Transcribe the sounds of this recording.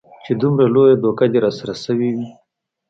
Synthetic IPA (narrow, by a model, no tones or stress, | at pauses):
t͡ʃed̪umɾalojad̪okad̪eɾɑsaɾasəwiwi